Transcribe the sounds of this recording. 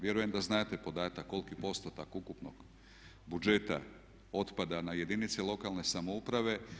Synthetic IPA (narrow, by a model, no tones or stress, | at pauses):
ʋje̞ɾujemd̪aznaːt̪epo̞d̪aːt̪akːo̞lkipo̞st̪ot̪akukupno̰ɡ̥ | bud͡ʒet̪a̰ | o̞t̪pad̪anaje̞d̪init̪selˠo̞kalˠne̞samoupɾaʋe̞